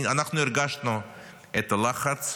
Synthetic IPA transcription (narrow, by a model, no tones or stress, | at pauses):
anaχnʊɪɾɡaʃnʊ | ɛt̪əlˠaχat͡s